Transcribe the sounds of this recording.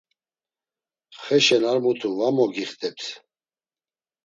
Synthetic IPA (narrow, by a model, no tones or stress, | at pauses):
χɛʃɛnaɾmut̪ʰuvamɔɡiχt̪ʰʼɛps